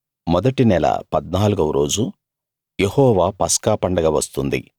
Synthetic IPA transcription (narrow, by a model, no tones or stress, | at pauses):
mɔd̪ɐʈinɛlɐ̰pɐd̪naːluɡɐʋɾʔo̞ːd͡ʒu | jehɔːʋaːpɐskaːpɐɳɖɐɡaːʋɐst̪und̪ḭ